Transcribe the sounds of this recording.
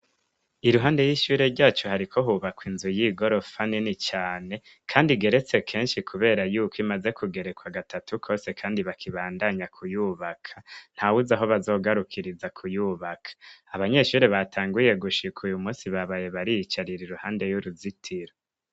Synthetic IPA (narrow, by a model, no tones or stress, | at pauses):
iɾuɦaːnde̞jiʃuːɾe̞ɾɟaːt͡ʃohaɾikʰo̞ɦuβakwinzujiɡo̞ɾo̞faninit͡ʃaːne̞ | kʰaːndiɡe̞ɾe̞t͡se̞kʰe̞ːnʃikʰuβe̞ːɾajuːkwimaze̞kʰuɡe̞ɾe̞kwaɡatʰatʰukʰo̞ːse̞kʰaːndiβakʰiβaːndaɲakʰujuːβakʰan̥hawuzaɦo̞βazo̞ːɡaɾukʰiɾizakʰujuːβakʰḁaβaɲe̞ʃuːɾeβatʰaːŋɡuje̞ɡuʃikʰujumuːsiβaβaje̞βaɾijit͡ʃaɾiɾiɾuhaːnde̞juɾuzitʰiɾo